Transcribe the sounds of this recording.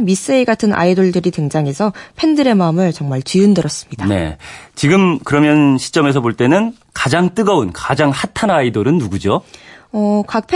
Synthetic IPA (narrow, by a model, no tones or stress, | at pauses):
mis͈eiɡatʰɯnʔa̰idoɭdɯɾiteŋd͡ʑaŋe̞sʰʌpʰe̞ndɯɾe̞maɯmɯɭt͡ɕʌŋmaɭt͡ɕiɯndɯɾʌs͈ɯ̥mɲidane̞̰t͡ɕiɡɯmkɯɾʌmjʌnɕʰi̥t͡ɕ͈ʌme̞s̬ʰʌboɭt͈e̞nɯn | kad͡ʑaŋt͈ɯɡʌunkad͡ʑaŋhatʰanaidoɾɯnːuɡud͡ʑoʌkak̚pʰe